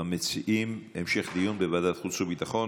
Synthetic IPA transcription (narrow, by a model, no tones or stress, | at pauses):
amet͡siʔimemʃe̞χd̪ijunbevad̪at̪χut͡subit̪aχo̞